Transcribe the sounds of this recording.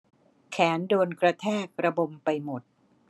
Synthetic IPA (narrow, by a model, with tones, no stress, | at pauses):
kʰɛː˩˦ndoː˧nkɾa˧t̪ʰɛː˥˩k̚ɾa˧bo˧mpa˧jmo˨˩t̪̚